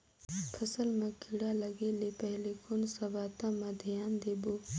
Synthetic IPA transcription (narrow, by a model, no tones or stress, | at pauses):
pʰɐsəlmãkʰiɽalɐɡelepəɦlekʊnsɐʋaːt̪ãmãd̪ʱɪjaːnd̪eːboː